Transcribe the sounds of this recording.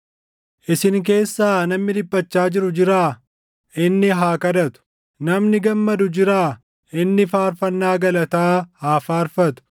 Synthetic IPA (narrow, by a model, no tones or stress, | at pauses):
ʔɪsɪŋk̬e̞ːsːaːnɐmnɪd̪ɪbʼːɐt͡ʃːaːd͡ʒɪɾʊd͡ʒɪɾaː | ʔɪnːɪɦaːkɐd̪ɐt̪ʊ̥ | nɐmnɪɡɐmːɐd̪ʊd͡ʒɪɾaː | ʔɪnːɪfaːɾfɐnːaːɡɐlɐt̪aːhaːfaːɾfɐt̪ʊ̥